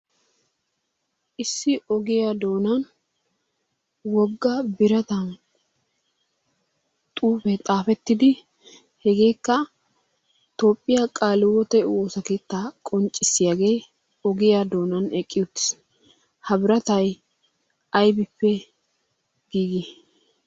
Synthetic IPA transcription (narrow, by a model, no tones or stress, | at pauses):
ʔɪsːɪʔɔɡɪjad̪o̞ːnɐn | wɔɡːɐbɪɾɐt̪ɐn | t̪ʼuːfɛt̪ʼaːfɛt̪ːɪd̪ɪ | hɛɡe̞ːkːɐ | t̪o̞ːpʼːɪjakʼaːlɪwɔt̪ɛwoːsɐke̞ːt̪ːaːkʼɔnt͡ʃʼːɪsːɪjaːɡe̞ː | ɔɡɪjad̪o̞ːnɐnɛkʼːɪjʊt̪ːɪ̥s | hɐbɪɾɐt̪ɐj | ʔɐjbɪpːɛ | ɡ̥iːɡɪ